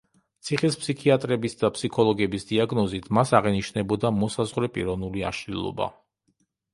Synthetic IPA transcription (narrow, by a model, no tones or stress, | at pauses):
t̪sʰiχispʰsikʰiat̪ʼɾɛbisd̪apʰsikʰɔlˠɔɡɛbisd̪iaɡnɔzit̪ʰmasaʁɛniʃnɛbɔd̪amɔsazʁɾɛpʼḭɾɔnulia̰ʃlilˠɔ̰ba̰